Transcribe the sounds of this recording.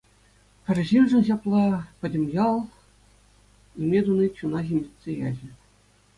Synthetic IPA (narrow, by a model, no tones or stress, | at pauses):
pʲɘ̆rʲʑinʐɘ̆nɕɑplˠɑpʲɘ̆dʲɘ̆mʲjɑlˠ | imʲed̪unɯt͡ɕunɑʑʲimʲit͡sʲːejɑʑɘ̆